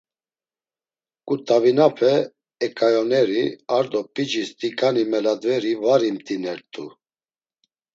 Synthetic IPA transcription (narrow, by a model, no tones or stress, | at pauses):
kʼut̪ʼavinapʰɛ | ɛkʼajɔnɛɾiaɾd̪ɔpʼid͡ʒist̪ʼikʼanimɛlad̪vɛɾivaɾimt̪ʼinɛɾt̪ʼu